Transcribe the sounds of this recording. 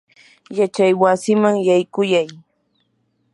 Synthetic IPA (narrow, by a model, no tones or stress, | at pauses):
jat͡ʃajwasɪmaŋjajkʊjaj